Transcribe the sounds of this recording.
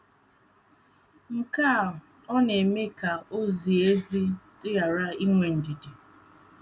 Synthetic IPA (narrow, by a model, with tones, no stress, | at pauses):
ŋ̩˨kaː˦˨ | ɔ˦ne˨me˦ka˨o˦zi˨e˦zi˦tɪ˦ja˨ɾa˦i˦ŋʷe˨n̩˨di˨di˨